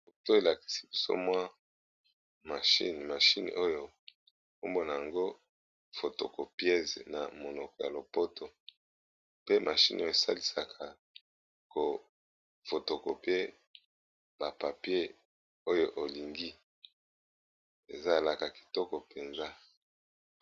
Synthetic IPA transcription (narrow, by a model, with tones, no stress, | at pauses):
bo˨to˦e˨la˨ki̥˨si̥˦bi˦so̰˦mwa˦ | ma˨ʃḭ˦n˨ma˨ʃi˦n̰˨ʔo˦jo˦ | ko˦mbo˨na˨ja˨ŋɡo˦ | fo˨to̰˨ko˨pjɛ˦zna˨mo˨nɔ˨kɔ˨ja̰˨lo˨po˦to˨ | pe˦mʔa˨ʃi˦no˦o˨sa̰˦li˨sa˨kʰa˨ | ko˨ | fo˨to˨ko˨pe˦ | ba˨pa˨pje˦ | o˦jo˦ʔo˨li˨ŋɡi˦ | e˨za˦e˨la˨ka˨ki̥˨tɔ˦kɔ˨pe˨nza˦